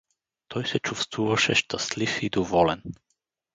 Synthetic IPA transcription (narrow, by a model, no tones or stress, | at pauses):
t̪ʰɔjsɛt͡ʃufst̪vuvaʃɛʃt̪aslifid̪ɔvɔlɛn